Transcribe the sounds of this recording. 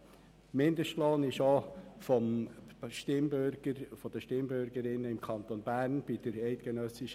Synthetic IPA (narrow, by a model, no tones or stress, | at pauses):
mɪnd̪əʃloːnɪʃofɔmʃtɪmbøɡ̥əɾfɔd̥̪əʃtɪmbøɾɡəɾɪnːəɪmkʰɑnt̪onbæːɾnb̥id̥əɾɛɪt̪ɡ̥ɛnœsɪʃ